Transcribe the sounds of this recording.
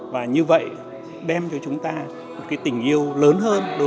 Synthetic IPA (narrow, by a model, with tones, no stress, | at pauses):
vaː˨˩ɲɨ˧və̰˧˨j | ɗɛ˧mt͡ɕɔ˧t͡ɕʊ˨˦ŋ͡mt̪aː˧ | mo˨˩t̚kaː˨˦jt̪ï˨˩ŋ̟ʔi˧əwləː˨˦nɦəː˧nɗo˨˦